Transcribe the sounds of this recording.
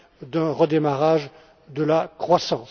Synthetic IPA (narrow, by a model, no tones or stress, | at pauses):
d̪ə̃ʁəd̪emaʁaʒ | d̪əlakχwasɑ̃